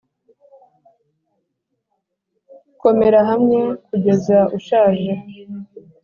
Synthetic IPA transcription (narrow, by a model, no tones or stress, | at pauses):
ko̞me̞ɾaɦamŋe̞kuɟe̞zaʔuʃaːʒe